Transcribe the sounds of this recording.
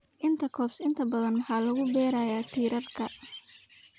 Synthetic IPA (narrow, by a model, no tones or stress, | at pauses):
ʔɪnt̪ʰɐkʰɔːpsɪnt̪ʰɐbɐðɐnmɐħɑːlɐɣʊbɛːɾaːjaːt̪ʰiːɾɐrkʰɐ